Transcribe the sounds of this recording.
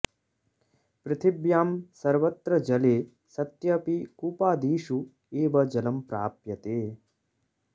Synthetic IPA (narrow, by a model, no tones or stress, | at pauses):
pɾɪt̪ʰibjaːmsɐɾʋɐt̪ɾɐd͡ʒɐleː | sɐt̪jɐpikuːpaːd̪iːʃu | eːʋɐd͡ʒɐlɐmpɾaːpjɐt̪eː